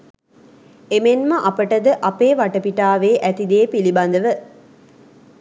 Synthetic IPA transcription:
emenmɐʔɐpəʈəd̪əʔɐpeːʋaʈəpiʈaːʋeːʔæt̪id̪eːpilibɐnd̪əʋə

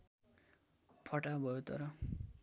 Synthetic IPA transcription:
pʰʌʈabʱʌjot̪ʌ̰ɾʌ

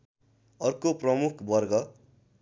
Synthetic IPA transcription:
ʌrkoprʌmukʰbʌrɡʌ

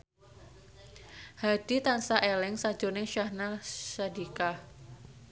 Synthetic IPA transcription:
had̥i̤t̪ansaʔelɪŋsḁd͡ʒ̥ɔ̤nɪŋʃahnasadika

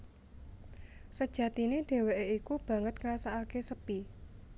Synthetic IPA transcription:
səd̥ʒ̥ä̤t̪ineɖ̥e̤weʔeikub̥ä̤ŋət̪̚ŋɾasaːkesəpi

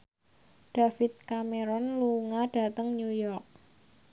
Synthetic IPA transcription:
ɖ̥a̤fit̪̚kameɾɔnluŋaɖ̥a̤t̪əŋnujɔrk̚

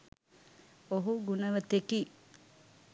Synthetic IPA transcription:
oɦuɡunəʋət̪eki

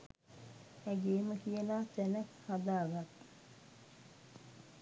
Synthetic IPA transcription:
hæɡeːməkijənaːt̪ænækhad̪aːɡat̪

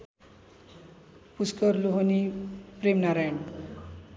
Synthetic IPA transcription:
puskʌɾluɦʌnipɾemnaɾajən

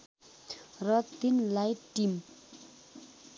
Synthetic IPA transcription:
rat̪inlajʈim

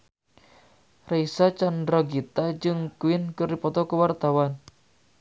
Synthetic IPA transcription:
raisat͡ʃandɾɔɡit̪ad͡ʒɨŋkuɪnkəripɔt̪ɔkəwart̪awan

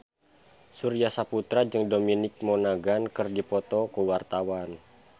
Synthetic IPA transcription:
suɾijasaput̪ɾad͡ʒɨŋdominɪk̚mɔnaɡankɨrdipɔt̪ɔkuwart̪awan

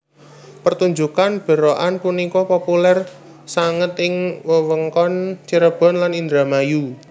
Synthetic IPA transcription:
pərt̪uɲd͡ʒukanb̥ə̤ɾoʔanpunikɔpopulɛr | saŋət̪ɪŋwəwəŋkɔnt͡ʃəɾəb̥ɔ̤nlanind̪ɾamaju

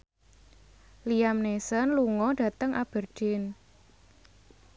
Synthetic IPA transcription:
liamnesənluŋɔɖ̥ä̤t̪əŋʔab̥ə̤rd͡ʒ̥ɪn

